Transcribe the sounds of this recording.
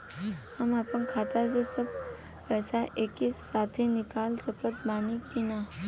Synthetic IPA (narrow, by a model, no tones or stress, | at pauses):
amapəɳkʰat̪at͡sesəb | pɛsaʔekisat̪ʰenikalsəpət̪banipina